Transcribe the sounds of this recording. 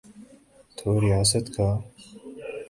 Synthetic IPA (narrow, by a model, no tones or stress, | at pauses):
t̪ʰoːɾijaːsɐt̪kʰa